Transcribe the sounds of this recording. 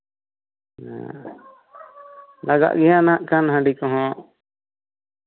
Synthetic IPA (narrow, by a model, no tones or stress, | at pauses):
laɡa̰ʔɡɛjanaʔkanɦãɖikɔɦɔ̃ʔ